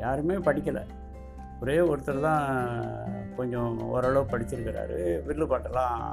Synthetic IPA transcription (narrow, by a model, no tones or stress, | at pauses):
jaːɾɯmeːpɐɽɪkʲːɐlɐ̰ | ɔɾeːɔɾɯt̪ːɐlt̪ãː | kɔɲd͡ʒɔ̃ɔ̰ɾɐɭɐʋɯpɐɽɪt͡ʃːɪɾɯkːɪɾa̰ːɾɯ̰ʋɪɽlːɯpaːʈːɐlãː